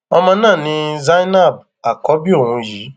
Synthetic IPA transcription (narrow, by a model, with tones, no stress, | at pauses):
ɔ˧mã˧nãː˦˨nĩ˧za˦na˦˨b̚ | a˨kɔ˨˦bi˦o˦˨hũ˧˦jiː˨˦